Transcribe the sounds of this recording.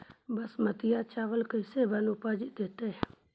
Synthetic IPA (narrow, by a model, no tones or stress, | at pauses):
bəsmət̪ɪjat͡ʃaːʋəlkəɪsebənupaːd͡ʒɪt̪̚d̪eːt̪e